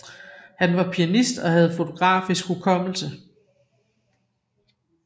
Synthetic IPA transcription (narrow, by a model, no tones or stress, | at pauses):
hænʋɑ̈pʰiænisd̥ɒ̽hæð̞̩ˠfo̝t͡sʰo̝ɡ̥ʁɑ̰̈ːfisɡ̥hukʰɒ̽m̰l̩sə